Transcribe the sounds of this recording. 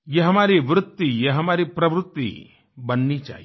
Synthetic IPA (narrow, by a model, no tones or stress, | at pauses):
jeɦɐmaːɾiʋɾʊt̪ːijeɦɐmaːɾipɾɐʋɾʊt̪ːḭ | bɐnːit͡ʃa̰ːɦi